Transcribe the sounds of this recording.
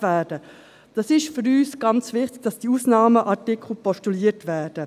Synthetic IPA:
væːd̥ə | d̥ɑsɪʃfʏɾyːsɡ̥ɑnt͡sʋɪχtɪɡ̥d̥ɑsd̥iuːsnɑːməʔɑtɪkʰχl̩pɔʃtuliːətʋɛːd̥ə

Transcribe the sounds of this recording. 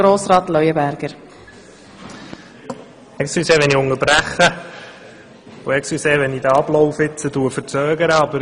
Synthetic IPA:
ɾoːsɾɑːt̪lœʏəbæɾɡ̥əɾ | ɛksyseːʋɛniʊŋəɾbɾæχə | ʊɛksyseːʋɛnid̪əɑblɔʊwfɪt͡sətuəfəɾt͡søːɡəɾəɑbəɾ

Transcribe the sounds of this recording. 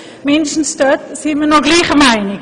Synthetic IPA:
mɪndʃtn̩sd̥øtsiːmənoɡliːχəmaɪnɪ

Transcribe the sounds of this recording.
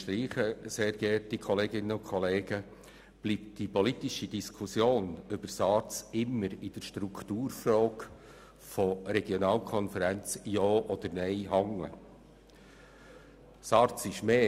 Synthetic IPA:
t̪ɾiːχəseːɾɡ̥ɛtikʰɔleːɡɪnːəʊkχɔleːɡ̥ə | b̥liːp̚td̥ipɔlit̪ɪʃid̥iskʰusjoːnʏb̥əɾsɑɾt͡sɪmːəɾɪd̥əʃtɾukʰt̪uːɾfrɔːk | fɔɾɛɡjonɑːlkʰɔnfəɾænt͡sjɔːʔɔd̪əɾnɛɪɦɑŋə̰ | sɑɾt͡sɪʃmeː

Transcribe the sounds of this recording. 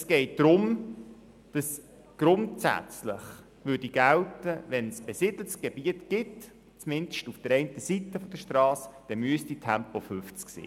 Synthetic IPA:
sɡ̥ɛɪt̚d̥ɾʊm | d̥ɑs | ɡ̥ɾʊntsæ̰t͡slɪ̰χ | ʋʏdiɡ̥æltəvʋɛnsb̥ɛsɪd̥l̩sɡ̥eb̥iətɡ̥ɪt | t͡smɪndʃtufd̥əɾɛɪntəsitəfɔd̥əʃtrɑːsd̥ɛmyəstitʰæmpofʏft͡sksḭː

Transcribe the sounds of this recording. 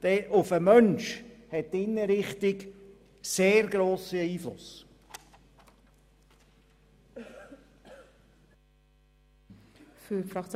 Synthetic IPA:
d̥ɛʔʊfəmœnʃhɛt̚dɪnːəɾɪχtɪk | seːɾɡɾoːsəiːflʊ̰s | fyfɾɑt͡s

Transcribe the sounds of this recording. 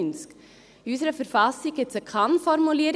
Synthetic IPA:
nsk | iysəɾəfəɾfasik̚ɡɪt͡səkʰanfɔɾmuliəɾ

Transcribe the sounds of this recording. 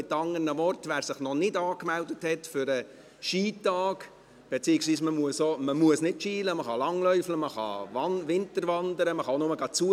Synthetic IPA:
ɪtːɑŋərnəmɔrtʋæːɾsɪχnɔnɪdɑːkmɛldəthɛtfʏɾə | ʃiːtɑːk | b̥ɛt͡siːɪksʋiːsməmuəsoməmuəsnɪdʃiːləməχɑlɑŋlœʏfləməχɑ̰ɑʋɪntəɾʋɑnd̪əɾəməχɑnʊməɡɑt͡suə

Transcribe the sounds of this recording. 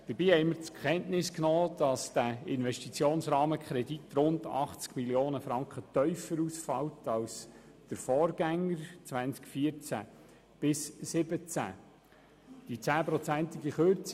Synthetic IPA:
d̥əɾbiːhɛɪməɾt͡skχɛntnɪsknoːd̥ɑsd̥æɪnʋɛʃtit͡sjoːnsɾɑːməkχɾɛditɾʊndɑ̰χt͡skmiljoːnəfɾɑŋkχət̪œʏfəɾusfɑ̰wtɑls | d̥əɾfɔːɾɡæŋːəɾt͡sʋænt͡skfiət͡sæ̰ | b̥ɪsːɪbət͡sæ̰ | d̥it͡sæːpɾɔt͡sænt̪ɪɡiχøɾt͡s

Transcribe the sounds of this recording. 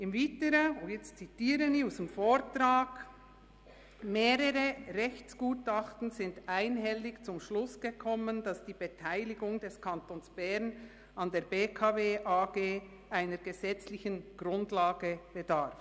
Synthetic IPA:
ʔɪmvitəɾəojɛt͡stt͡sitiːɾəniusɪmfoːɾtɾaːɡ̥ | meːɾəʁəʁɛçt͡sɡ̥uːtɑχtn̩zɪndaɪnɦɛlɪçt͡sʊmʃlʊsɡ̥əkʰɔməndɑsd̥iːbetʰaɪlɪɡʊŋdɛskʰɑntoːnsb̥ɛɾn | ɑndeːɾbeːkʰaːveːʔaːɡeː | ʔaɪnəɾɡəzɛt͡slɪçənɡ̥ʁʊndlaːɡəb̥ədaɾf

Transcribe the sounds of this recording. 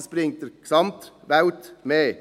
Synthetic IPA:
sb̥ɾɪŋt̚dəksɑmt̪ʋaʊtmeː

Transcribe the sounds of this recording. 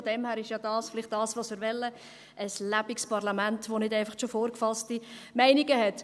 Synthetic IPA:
fɔd̥ɛmhæːɾɪʃjɑdɑːsflɪχt̚d̥ɑːsʋosmɪɾʋɛlːə | ʔəslæb̥ɪkspɑʁlɑmæntʋonɪdɛɪfɑχt͡ʃofoːɾkfɑstimɛɪniɡəhɛt

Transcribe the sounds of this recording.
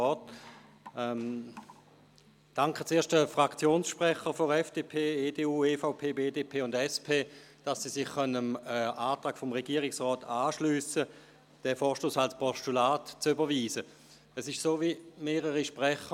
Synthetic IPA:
ɔːt | ɛm | d̥aŋkχət͡seːɐʃtdəfʁakt͡sjoːnsʃpʁɛχəfoɛfd̥eːpʰeːeːdeːuːeːfaʊpʰeːbeːdeːpʰeːʊndɛspʰeːd̥asːisɪχχœnəməaːtʁaːkfɔmʁeɡiːəʁɪksʁɔːtʰaːʃlyːsə | d̥ɛfɔːɐʃtoːsalspʰɔʃtulaːtt͡sybɐʋiːzə | əsɪʃsoːvimeːʁəʁiʃpʁɛχə

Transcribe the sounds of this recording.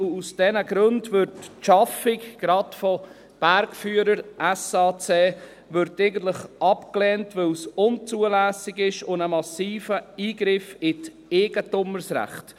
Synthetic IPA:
usd̥ɛnəɡɾʊndvʏɾtʃɑfɪkɡ̥ɾɑtfɔ | b̥æɾkfyːəɾəɾʔɛsɑːt͡seː | ʋʏɾteɪɡən̩t̪ləχʔɑpklɛːntvɪlsʊnt͡suəlæːsɪɡɪʃʊnəmɑsiːfəiːɡɾɪfɪt | eɡ̥ətʊməɾsɾæ̰χt

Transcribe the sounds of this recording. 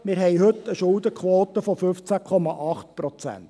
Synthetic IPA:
mɪːɾɦɛɪjɦɵt̪ːəʃʊld̪əkχʋoːt̪əfɔfɵft͡sækʰɔmɑʔɑχt̪pɾɔt͡sæ̰nt

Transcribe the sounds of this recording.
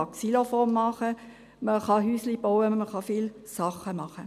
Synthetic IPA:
ɑksilofɔmːɑχə | məχɑɦyːslib̥owəməχɑfiːl | sɑχəmɑχə

